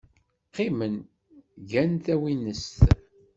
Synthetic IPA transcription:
qimən | ʝænt̪æwinəst̪

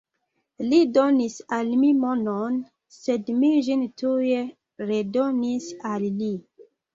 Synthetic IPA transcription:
lidonisalmimonon | sedmiʒintuje | ɾedonisalːi

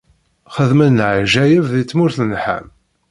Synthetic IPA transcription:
χəðmənnʕʒæjəvðit͡sːmʊɾθnħə̰m

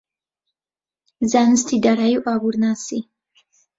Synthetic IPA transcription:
zanst̪ʰid̪aɾajuʔaβuɾnasi

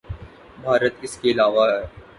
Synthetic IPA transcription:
bʱaːɾət̪ɪskeɪlaːʋaɦɛː

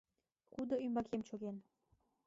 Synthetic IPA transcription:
χud̪əymbɑkʰemt͡ɕoɣen

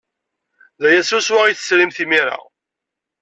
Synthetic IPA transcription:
ðæjæsuswaʁiθə̥slimθimiɾa̰

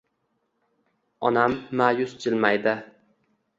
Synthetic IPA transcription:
ɒnamːaːjʊsd͡ʒɪlmajd̪ɪ

